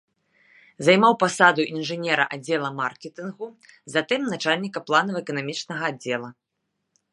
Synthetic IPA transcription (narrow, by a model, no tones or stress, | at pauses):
zajmawpasad̪uʔinʐɨnʲɛɾɐ̰ʔad͡zʲːɛlˠɐmarkʲɛt̪ɨnɣuzat̪ɛmnat͡ʂalʲnʲikɐplˠanɐwɛkɐnamʲit͡ʂnɐɣɐadd͡zʲːɛlˠɐ